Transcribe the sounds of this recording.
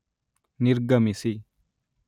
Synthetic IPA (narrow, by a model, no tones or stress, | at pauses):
nɪɾɡɐmɪsi